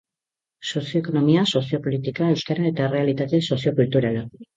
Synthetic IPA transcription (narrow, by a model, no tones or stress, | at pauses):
so̞sijo̞eko̞no̞miaso̞sio̞po̞lit̪ikae̞wskaɾae̞t̪aere̞alit̪at̪e̞so̞sio̞kult̪uɾala